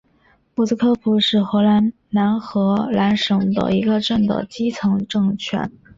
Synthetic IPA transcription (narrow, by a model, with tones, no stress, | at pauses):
pu˥˩s̩˥k̪ʰɤ˥˩pʰu˧˥ʂɻ̩˥˩xɤ˧˥la˧˥n | na˧˥nxɤ˧˥la˧˥nʂɤ˨˩ŋd̪ə̰˧i˧˥ɡə˧ʈ͡ʂə˥˩nd̪ə̰˩t͡ɕi˥t͡sʰɤ˧˥ŋʈ͡ʂɤ˥˩ŋt͡ɕʰɥɛ̰˧˥n